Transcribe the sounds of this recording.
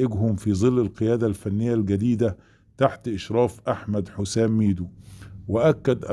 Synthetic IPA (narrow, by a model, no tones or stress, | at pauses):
ʔɪɡhʊmfizˤɨlːɪlqɨjæːd̪alfænːɪjːalɡæd̪iːd̪a | t̪aħt̪ʔɪʃɾɑːfʔaħmæd̪ħʊsæːmːiːd̪uwɪʔakːad̪ʔæ